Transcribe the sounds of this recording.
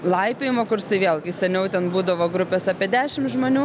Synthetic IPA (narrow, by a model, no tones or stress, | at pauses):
lˠɐɪpʲeːjɪmoːkʊɾsɐɪʋʲeːlˠɡʲɪsʲɛnʲɛʊt̪ʲɛnbuːd̪ɐʋoːɡɾʊpʲeːsɑːpʲiɛd̪ʲæːʃʲɪmʒmoːnʲuː